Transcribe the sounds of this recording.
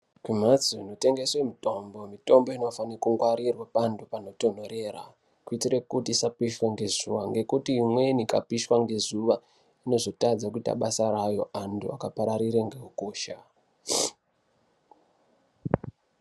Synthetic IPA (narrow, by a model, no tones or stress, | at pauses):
kwim̤ad͡zoino̞te̞ŋɡe̞swemitombo̞mito̞mbo̞ino̞faniakuŋɡwaɾirwapandupano̞to̞n̤o̞ɾe̞ra̰ | kuitire̞kutisapiʃweŋɡe̞zuʋaŋɡe̞kutiimwe̞nikapiʃwaŋɡe̞zuʋa | ino̞zo̞tad͡zakuita̰ɓasaɾajo̞̰ʔantʰṵakapaɾaɾiɾeŋɡe̞ɦukoːʃa